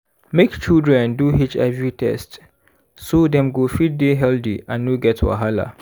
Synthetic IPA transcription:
mekt͡ʃildɹɛ̃nduɦit͡ʃɛvɹitʰɛ̰st | sodɛ̃mɡofid̚deɦɛldḭãnːoɡɛtʰwa̰ɦala̰

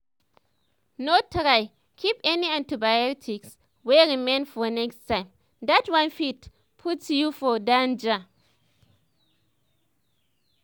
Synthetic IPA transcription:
notʰɾaɪ | kʰipɛniãntibajɔtʰiks | wɛɹimẽnfɔnɛkstʰãɪ̃m | datwãnfit | pʰutːjufɔdãnd͡ʒa

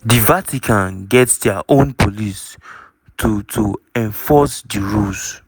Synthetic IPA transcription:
divatʰikʰãnɡɛtsdɛaʔõnpʰolis | tʰutʰuɛ̃nfɔsdiɹus

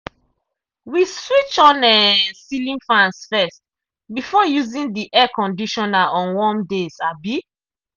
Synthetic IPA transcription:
wiswit͡ʃɔ̃nɛsilĩnfãnsfɛst | bifɔjuzĩndiʔɛkɔ̃ndiʃɔnaɔ̃nwɔ̃mdesabi

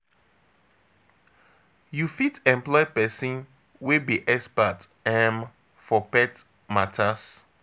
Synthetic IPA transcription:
jufitɛ̃mplɔɪpɛsĩn | webiʔɛspat | ɛm | fɔpɛt | matʰas

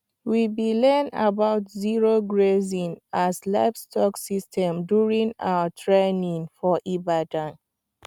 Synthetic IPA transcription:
wibilɛ̃na̰baʊtziɹoɡɹezĩnazla̰ɪfstʰɔksistʰɛ̃mdjuɹĩŋa̰wətʰɹenĩŋfɔʔibadãn

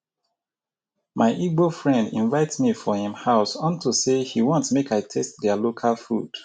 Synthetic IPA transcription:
maɪʔiɡofɹɛ̃ndḭ̃nvaɪtsmifɔhĩmhaʊsɔ̃ntʰusehiwɔ̃ntsmekaɪtʰɛstðɛlokʰalfṵd̥

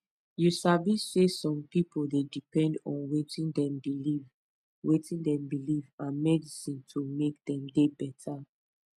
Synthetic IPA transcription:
jusavisːesɔ̃mpipʰoldedipɛ̃ndɔ̰̃nwetĩndɛ̃mbiliv | wetĩndɛ̃mbilivãnmɛdisĩntʰomek̚dɛ̃mdebɛtʰa

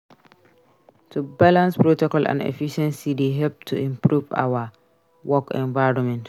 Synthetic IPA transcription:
tʰubalãnspɹotɔkɔlʔã̰nḛfiʃɛ̃nsideɦɛlp̚tʰuĩmpɹuva̰wa | wɔkɛ̰̃nvaɪɹɔ̃mɛ̃nt

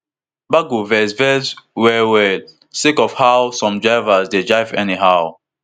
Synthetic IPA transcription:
baɡuvɛsvɛswɛwɛl | sikɔfhawsɔ̃md͡ʒaɪvasded͡ʒaɪvɛ̰niɦaw

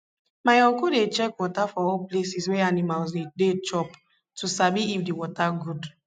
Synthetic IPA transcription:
maɔ̃kudet͡ʃɛkwɔtafɔɔplesiswɛanimalsdedet͡ʃɔp | tusabiifdiwɔtaɡud

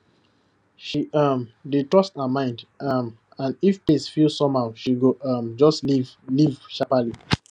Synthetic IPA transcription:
ʃiɔmdetɹɔsthamãɪ̃ndam | ãnifpesfilsɔ̃maʊʃiɡoʔɔmd͡ʒɔstlivlivʃapali

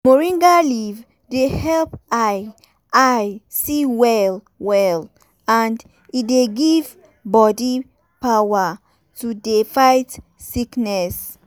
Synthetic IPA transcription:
moɹĩŋɡaliv | dehɛlpaj | ʔajsiwɛl | wɛl | ãnd | ideɡiv | bɔdi | pawa | tudefaɪt | siknɛs

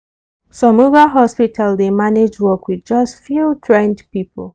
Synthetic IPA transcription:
sɔ̃muvaɦɔspitʰaldemaned͡ʒwɔkwidd͡ʒʌstfjutʰɹɛ̃ndpipʰəlˠ

